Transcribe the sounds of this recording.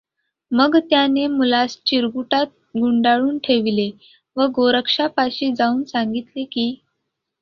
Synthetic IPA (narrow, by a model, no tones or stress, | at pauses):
məɡt̪janemulast͡ɕiɾɡuʈat̪̚ɡuɳɖaɭuːnʈʰeʋile | ʋəɡoɾəkʂapaɕiːd͡zauːnsaŋɡit̪lekiː